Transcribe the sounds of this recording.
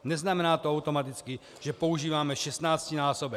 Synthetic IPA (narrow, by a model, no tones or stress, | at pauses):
nɛznamɛnaːt̪oawt̪o̞mat̪ɪt͡skɪ | ʒ̥ɛpo̞uʒiːvaːmɛʃɛst̪naːt͡scɪnaːsobɛ